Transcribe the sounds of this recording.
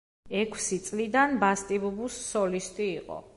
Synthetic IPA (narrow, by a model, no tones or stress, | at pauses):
ɛkʰsit̪sʼlid̪anbast̪ʼibɔbusːɔlist̪ʼiːqʼɔ̰